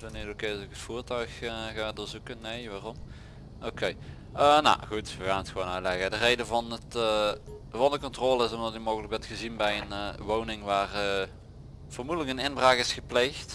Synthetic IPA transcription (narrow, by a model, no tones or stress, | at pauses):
ʋənedokesokətfuːrtœɥxɣadʊːɹzukənːejʋaːrɔm | owkej | əna̰ɣutʋəɣaːnətxʋoːnœtlɛɣədərejdəvɑnət | vɑndəkɔntroːlˠəɪsɔmdɑtimowɣələk̚ɡ̚bɛntxəzinbɛjənʋownɪŋʋaːrə | v̥oːrmudələkənɪnbraːkɪsxəplejxt